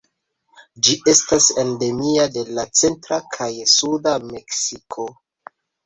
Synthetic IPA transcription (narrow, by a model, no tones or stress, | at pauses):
d͡ʒiʔe̞stasende̞miade̞lat͡se̞ntɾakʰajsudame̞ksikʰo̞